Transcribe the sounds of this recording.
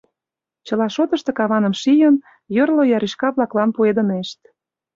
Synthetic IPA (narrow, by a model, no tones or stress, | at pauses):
t͡ɕɤ̆lɑʃot̪ə̆ʃt̪ɤ̆kɑβɑnə̆mʃijən | jorlojɑɾiʃkɑβlɑklɑnpued̪ə̆neʃt̪̚